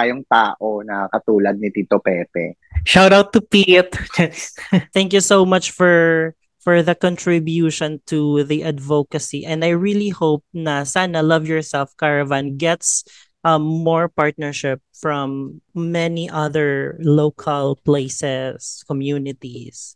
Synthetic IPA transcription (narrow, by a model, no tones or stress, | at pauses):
ajoŋt̪aːʔonɐakɐt̪uːlɐd̪̚nit̪iːt̪opɛpɛ̰ʃawɾawt̪ːupit̪ | θɛ̃ŋkjusoʊmɐt͡ʃfɔɹ | fɔɹðɐkɔ̃nt̪ɹɪbjuːʃɔ̃nt̪ʰuðiʔɐd̪vokɐsiʔɛ̃nd̪ajɹilihowp̚nɐsanɐlʌvjɔɹsɛlfkaɹɐvãnɡɛt̪s | ʔʌːɔɹpaɹt̪̚nɛɹʃɪp̚fɹɔ̃mːɛniʔɐðəɹlokʰɐlpleɪsɛskɔmjuːnɪt̪is